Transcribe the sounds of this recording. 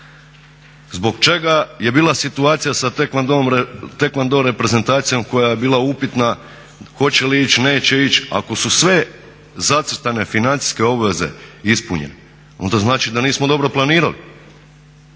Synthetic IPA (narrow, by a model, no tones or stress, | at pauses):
zbo̞ɡt͡ʃe̞ɡaje̞biːlˠasit̪uaːt̪sijasat̪ekad̪t̪e̞kmand̪oɾe̞pɾe̞ze̞nt̪aːt̪sijo̞mko̞jaje̞biːlˠaupit̪na | xo̞t͡ɕe̞liit͡ɕne̞ːt͡ɕe̞it͡ɕa̰ko̞susʋe̞ | zat̪ɾt̪ane̞finant̪si̥ske̞o̞bʋe̞ze̞̰ispuɲḛne | o̰nt̪oznaːt͡ʃid̪aniːsmod̪o̞bɾo̞plˠaniːɾa̰li